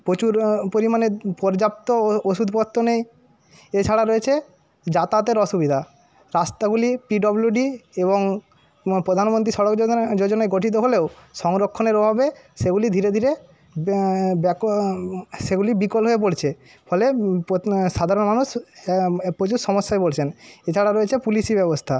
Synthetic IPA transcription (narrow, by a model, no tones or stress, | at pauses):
pɾot͡ɕuɾpoɾimanepɔɾd͡ʑap̚t̪ooʃud̪ʱpɔt̪ːonej | et͡ɕʰaɽaɾoet͡ɕʰe | d͡ʑat̪at̪eɾɔʃubid̪ʱa | ɾast̪aɡulipiɖɔbljuɖieβoŋ | pɾod̪ʱanmont̪ɾiʃɔɽokd͡ʑod͡ʑonaeɡoʈʰit̪̬oɦoleoʃɔŋɾokʰːoneɾobʱabeʃeɡulid̪ʱiɾed̪ʱiɾe | bɛk | ʃeɡulibikolɦoep̬oɽt͡ɕʰe | fʰɔlepʃad̪ʱaɾonmanuʃ | pɾod͡ʑuʃɔmoʃːaebolt͡ɕʰenet͡ɕʰaɽaɾoet͡ɕʰepuliʃibɛbost̪ʰa